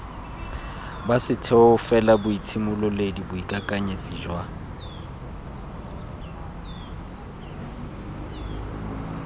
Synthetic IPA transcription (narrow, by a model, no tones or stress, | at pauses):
basɪtʰɛɔʊfɛlabʊit͡sʰɪmʊlɔledibʊikʼakʼaɲet͡sʼiːd͡ʒwa